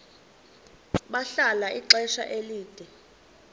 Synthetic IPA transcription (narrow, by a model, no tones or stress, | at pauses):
ɓaɬalaʔiǁɛʃa̰ʔeliːd̥ʱɛ